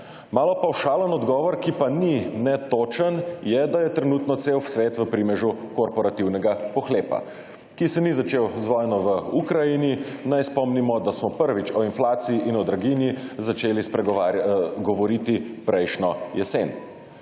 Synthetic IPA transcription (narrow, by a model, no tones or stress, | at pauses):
maːlɔpawʃaːlənɔd̪ɡɔːʋɔɾkipaninɛt̪ot͡ʃənjɛd̪ajɛt̪ɾɛnuːt̪nɔt̪sewsʋeːt̪ʋəpɾimɛʒukɔɾpɔɾat̪iwnɛɡapɔxleːpa̰ | kisɛnizat͡ʃewzʋɔjnɔʋəukɾajini | najspɔmnimɔd̪asmɔpəɾʋit͡ʃɔinflaːt̪siiʔinɔd̪ɾaɡinjizat͡ʃeːlispɾɛ | ɡɔʋɔɾit̪ipɾʔɛjʃnɔjɛseːn